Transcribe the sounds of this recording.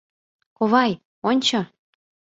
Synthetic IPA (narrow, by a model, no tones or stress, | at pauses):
koβɑj | onʲt͡ɕɤ̆